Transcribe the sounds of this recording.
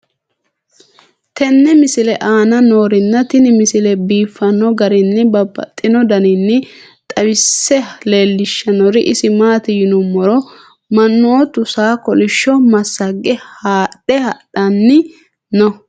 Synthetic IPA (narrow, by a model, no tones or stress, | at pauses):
t̪ɛnːɛmɪsɪlɛʔaːnɐno̞ːɾɪnːɐt̪ɪnɪmɪsɪlɛbiːfːɐnːɔɡɐɾɪnːɪbɐbːɐ̰t̪ʼːɪnɔd̪ɐnɪnːɪ | t̪ʼɐwɪsːɛle̞ːlːɪʃːɐnɔɾɪʔɪsɪmaːt̪ɪjɪnʊmːɔɾɔ | mɐnːoːt̪ʊsaːkɔlɪʃːɔmɐsːɐɡːɛhaːɗɛhɐɗɐnːɪ | nɔ